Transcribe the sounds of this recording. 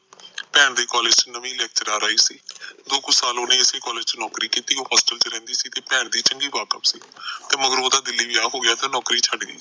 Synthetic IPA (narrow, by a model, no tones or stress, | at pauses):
pɛːɳd̪eːkɔːleːd͡ʒt͡ʃnəʋĩːlɛːk̚t͡ʃəɾaːɾaːiːsḭːd̪oːkʊsaːloːnẽːɪseːkɔːleːd͡ʒt͡ʃənɔːkɾiːkiːt̪iːɦɔːsʈəlt͡ʃɾɛ̃ːnd̪iːsiːt̪eːpɛːɳd̪iːt͡ʃəŋɡiːbaːkəpsiːt̪eːməɡəɾoːd̪aːd̪ɪlːiːʋiːaːɦoːɡɪaːt̪ẽːnɔːkɾiːt͡ʃʰəɖɡəḭː